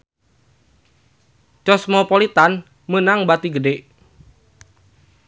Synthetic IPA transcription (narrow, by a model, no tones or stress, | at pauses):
t͡ʃɔsmɔpolit̪an | mənaŋbat̪iɡədeʔ